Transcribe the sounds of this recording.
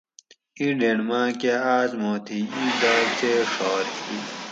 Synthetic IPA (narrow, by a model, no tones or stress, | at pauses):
iɖeɳmãːkeaːzmoːt̪ʰiːidaːlt͡seːʂoːɾi